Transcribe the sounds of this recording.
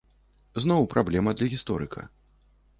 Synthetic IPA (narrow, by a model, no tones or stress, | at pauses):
znɔwpɾʔablʲɛmɐd̪lʲɐɣʲist̪ɔɾɨkʰɐ̰